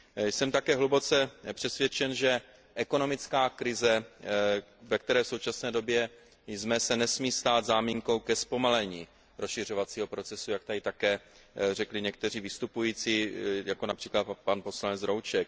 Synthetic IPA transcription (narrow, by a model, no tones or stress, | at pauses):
jsɛmt̪akɛːɦlubo̞t͡sɛpr̥ɛsvjɛt͡ʃɛnʒɛ | ʔɛko̞no̞mɪt͡skaːkɾɪzɛ | vɛkt̪ɛɾɛːfso̞wt͡ʃasnɛːdo̞bjɛ | jzmɛsɛnɛsmiːst̪aːd̪zaːmiŋko̞wkɛspo̞malɛɲiː | ɾosʃɪr̝o̞vat͡siːɦo̞pɾo̞t͡sɛsujak̚t̪adɪt̪akɛː | r̝ɛklɪɲɛkt̪ɛr̝iːvɪst̪upujiːt͡siːjako̞napr̝̥iːklat̪panpo̞slanɛt͡sɾowt͡ʃɛk̚